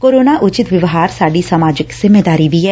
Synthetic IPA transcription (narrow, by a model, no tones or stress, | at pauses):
koːɾoːnaːʔʊt͡ʃɪt̪ʋɪʋɦaːɾsaːɖiːsəmaːd͡ʒɪkz̥ɪmeːd̪aːɾiːʋiːɛː